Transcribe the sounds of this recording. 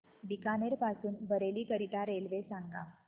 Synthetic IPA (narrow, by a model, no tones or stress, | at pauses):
b̪ikaneɾpasuːnbʱəɾeliːkəɾiʈaɾelʋesãŋɡa